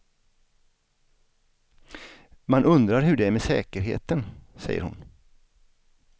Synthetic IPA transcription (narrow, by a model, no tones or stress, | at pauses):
manɵnd̪ɾaɾɦɵɖɛæɾmesɛ̰ːkəɾɦḛːt̪ənsɛ̰jːə̰ɾhʊ̰n